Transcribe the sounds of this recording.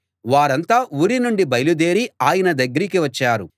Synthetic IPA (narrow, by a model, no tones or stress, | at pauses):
ʋaːɾɐnt̪aːuːɾinuɳɖibɐjlud̪e̞ːɾiaːjɐnɐd̪ɐɡːɐɾikiʋɐt͡ʃːaːɾu